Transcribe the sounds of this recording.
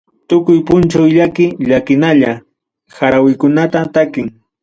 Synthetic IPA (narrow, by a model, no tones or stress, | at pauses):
t̪ʊkʊjpʊnt͡ʃawʎakɪʎakɪnaʎa | xaɾawɪkʊnat̪at̪akɪŋ